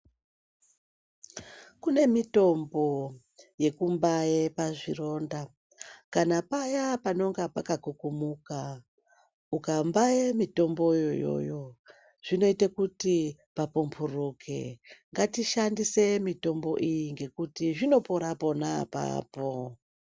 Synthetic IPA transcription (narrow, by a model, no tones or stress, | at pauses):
kune̞mito̞mbo̞ | je̞kumbaepaʐiro̞nda | kanapajapano̞ŋɡapakakukumuka | ukambaemito̞mbo̞jojo̞̰jo̞ | ʐ̥ino̞itakuti | papumpʰurukʰḛŋɡatiʃandise̞mito̞mbo̞̰ʔijiŋɡe̞kutiʐino̞poɾapo̞napa̰ːpo